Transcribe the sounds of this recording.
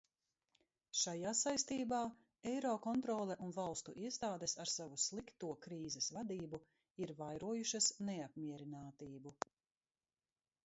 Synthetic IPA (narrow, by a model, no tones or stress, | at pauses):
ʃajaːsajst̪iːbaː | ɛjɾɔːkɔnt̪ɾɔːlˠɛʔunvalˠst̪ṵʔiɛst̪aːd̪esaɾsavuslˠikt̪uɔkɾiːzɛsvad̪iːbu | iɾvajɾuɔjuʃɐsnɛapmʲiɛɾinaːt̪iːbu